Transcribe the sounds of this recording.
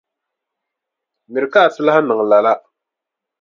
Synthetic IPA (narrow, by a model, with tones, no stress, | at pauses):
mɪ˨ɾɨ˨ka˦˨sɪ˦la˦ha˦nɨ˨ŋ˨la˨la˦